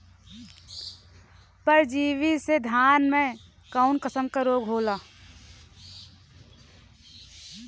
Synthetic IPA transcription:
pəɾd͡ʒiːʋised̪ʱjaːnmẽ | kaʊnkəsəmkaɾoːɡʱɦoːlaː

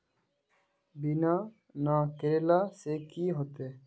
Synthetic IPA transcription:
bina | nakeɾelasekiːɦot̪e

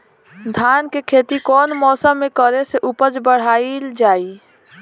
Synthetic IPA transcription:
d̪ʱaːnkekʰeːt̪ikɔːnmɔːsəmːẽkəɾeseʔupəd͡ʒbəɽ̤aːild͡ʒaːi

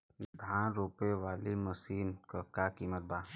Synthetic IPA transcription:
d̪ʱãːnɾoːpeʋaːlimɐsiːnkakakiːmət̪̚baː

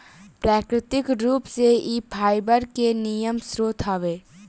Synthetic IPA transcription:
pɾaːkɾɪt̪ɪkɾuːpseipʰaːɪbəɾkenijəmsɾoːt̪ʰaːʋeː

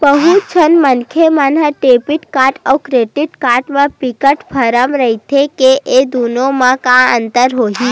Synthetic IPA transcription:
bəɦut͡ʃʰənmənkʰemanɦəʈeːpɪʈkaːɾʈəwkɾeːʈɪʈkaːɾʈmãpikəʈpʰəɾəmɾəɦit̪ʰekeʔed̪unomãkãə̃nt̪əɾɦoːɦĩː

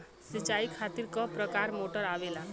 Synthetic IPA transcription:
sit͡ʃajkʰat̪iɾkɔpɾɔkaɾmoʈɔɾaʋela

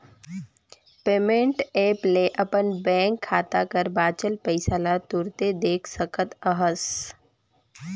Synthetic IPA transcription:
peːmẽɳʈeːpleʔɐpənbɛ̃ːŋkʰːaːt̪akəɾbaːt͡ʃəlpəɪsalat̪ʊɾt̪ed̪eːkʰsəkʰət̪əɦəs

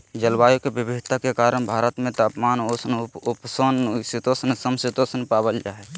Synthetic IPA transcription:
d͡ʒəlwaːjokebibʱiɦt̪ʰakekaːɾəɽ̃bʱaːɾət̪mẽt̪aːpmaːnosnʊpsonsit̪osənsəmsit̪osənpaːbəld͡ʒaːɦɛ

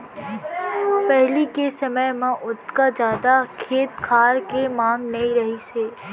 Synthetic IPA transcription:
pɛɦlikesɐməjmẽʔʊt̪kad͡ʒjaːd̪akʰeːt̪kʰaːɾkemaːŋnɐiɾɐɦiseː

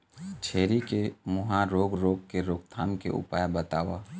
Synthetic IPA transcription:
t͡ʃʰeːɾikemʊɦãɾoːɡɾoːɡkeɾoːɡ̚t̪ʰaːmkḛʔʊ̰paːjbət̪aːʋaː

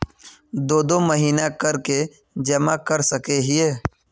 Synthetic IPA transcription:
d̪oːd̪omɐɦiːnakɐɾke | d͡ʒɐmakɐɾsɐkeɦɪeː

